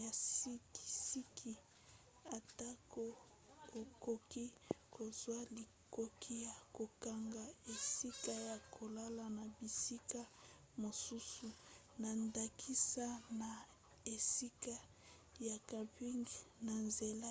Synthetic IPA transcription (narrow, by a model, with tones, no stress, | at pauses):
a˨ssi˦ki̥˨si˦kʰi˦ | a˨ta˦ko˦ | o˨ko˦ki˦kʰo˨zwa˦li˨ | ko˦kʰi˦ja˨ko˨ka˨ŋɡa˨e˨si˦ka˦ja˨kʰo˨la˦la˨na˨bi˨si˦ka˦ | mo˨su˦su˨ | na˨nda˨kʰi˦sa˦na˨ | e˨si˦ka˦ | ja˨ka˨pi˦ŋɡna˨nze˨la˦